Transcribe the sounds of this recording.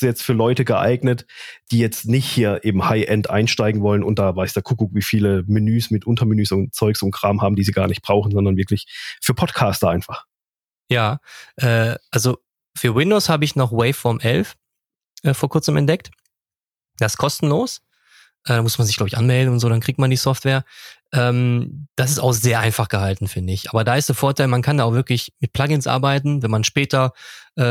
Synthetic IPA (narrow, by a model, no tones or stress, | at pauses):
jɛt͡stfyːɐlɔʏtəɡəʔa̰ɪɡnətd̥iːjɛt͡stnɪçthiːɐʔeːbm̩haɪʔɛntʔa̰ɪnʃtaɪɡŋ̩vɔlənʊnt̚d̥aːvaɪsd̥aːkʰukukviːfiːləminyːsmɪtʔʊntɐminyːsʊntt͡sɔʏksʊnt̚kʁ̥aːmhaːbm̩d̥iːziːɡaːɐnɪçt̚b̥ʁaʊxn̩zɔndɐnvɪɐklɪçfyːɐpʰɔtkʰaːstɐʔaɪnfaχ | jaːʔɛːʔalzo | fyːɐwɪndoːshaːbəɪçnɔχwɛɪfɔɐmʔɛlf | ʔɛːfoːɐkʰʊɐt͡səmɛ̰ntd̥ɛk̚t | d̥aɪskʰɔstn̩loːs | ʔɛːdamʊsmanzɪçɡ̥laʊbɪçʔanmɛldn̩ʊntzoːdankʁ̥iːktmandiːsɔftv̥eːɐʔɛːmd̥as̬ɪstaʊxz̥eːɐʔaɪnfaχɡ̥əhaltn̩fɪndəɪçʔaːbɐdaːɪstd̥eːɐfoːɐtʰaɪlmankʰandaːʊvɪɐklɪçmɪt̚pʰl̥aɡɪnsʔa̰ɐbaɪtn̩vɛnmanʃpɛːtɐʔɛː